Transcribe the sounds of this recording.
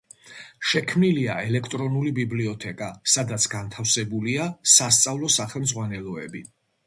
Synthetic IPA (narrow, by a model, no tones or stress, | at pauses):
ʃɛkʰmniliaɛlɛkʰt̪ʼɾɔnulibibliɔt̪ʰɛkʼasad̪at̪sʰɡant̪ʰafsɛbuliasast̪sʼavlˠɔsaχɛlmd̪zʁwanɛlˠɔɛbi